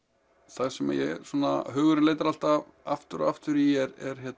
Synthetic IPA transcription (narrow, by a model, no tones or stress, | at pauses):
θaɣsɛma̰jɛsɔnaɦœːɣʏɾɪneːjt̪aɾal̥t̪av | aft̪ʏɾɔ̰aft̪ʏɾijɛɾɛɾ̥çɛt̪